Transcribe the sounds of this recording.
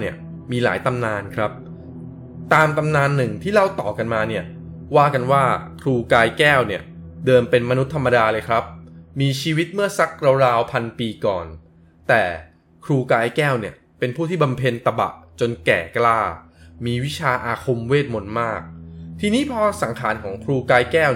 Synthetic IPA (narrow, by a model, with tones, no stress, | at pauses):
ni˥˩ə | miː˧la̰ː˩˦jt̪a˧mnaː˧nkʰɾa˦˥p̚ | t̪aː˧mt̪a˧mnaː˧nːɯ˨˩ŋt̪ʰiː˥˩la˥˩wt̪ɔː˨˩ka˧nmaː˧ni˥˩ɐ | waː˥˩ka˧nwaː˥˩kʰɾuː˧kaː˧jkɛː˥˩wni˥˩ɐdɤː˧npe˧nma˧nu˦˥t̪ʰːa˧mːa˧daː˧lɤː˧jkʰɾa˦˥p̚miː˧t͡ɕʰiː˧wi˦˥t̪̚mɯ˥˩ɐsa˦˥k̚ɾa˧wɾaː˧wpʰa˧npiː˧kɔ̰ː˨˩n | t̪ɛː˨˩ | kʰɾuː˧kaː˧jkɛː˥˩wni˥˩ɐ | pe˧npʰuː˥˩t̪ʰiː˥˩ba˧mpʰe˧nt̪a˧ba̰˨˩ʔt͡ɕo˧nkɛ̰ː˨˩klaː˥˩ | miː˧wi˦˥t͡ɕʰaː˧ʔaː˧kʰo˧mweː˥˩t̪̚mo˧n̚maː˥˩k̚t̪ʰiː˧niː˦˥pʰɔː˧sa˩˦ŋkʰaː˩˦nkʰɔː˩˦ŋkʰɾuː˧kaː˧jkɛː˥˩w